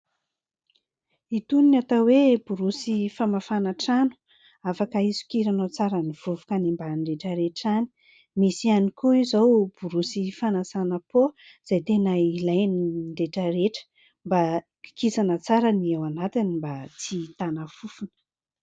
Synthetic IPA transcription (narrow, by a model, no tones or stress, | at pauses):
it̪uninat̪aweb̥uɾusifamafanaʈ͡ʂanu̥ | afakəizu̥kiɾanot͡saɾəniv̥uvukənimbaɳɖ͡ʐeʈ͡ʂəɾeʈ͡ʂani̥ | misianikuizowb̥uɾusifanasanəpo | z̥ajt̪enəilajniɳɖ͡ʐeʈ͡ʂəɾeʈ͡ʂə̥ | mba | ki̥kisanət͡saɾaniawanat̪inimbat͡sit̪anafufunə̥